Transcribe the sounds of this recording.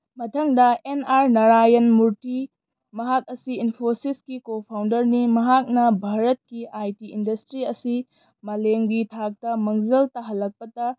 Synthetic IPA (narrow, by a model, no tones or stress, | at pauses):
mɐtʰɐŋdɐenaɾnɐɾajɐnmuɾti | mɐɦak̚ɐsiinpʰosiskikopʰawndɐɾnimɐɦak̚nɐbʱaɾɐt̚kiʔajtiindɐstɾiɐsi | mɐleŋɡitʰak̚tɐmɐŋzɐltaɦɐlːɐk̚pɐtɐ